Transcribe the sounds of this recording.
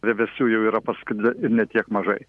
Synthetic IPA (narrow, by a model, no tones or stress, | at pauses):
ʋʲɛʋʲɛsʲuːjɛʊiːɾɐpɐskʊdɪɪɾnʲɛt̪ʲiɛkmɐʒɐɪ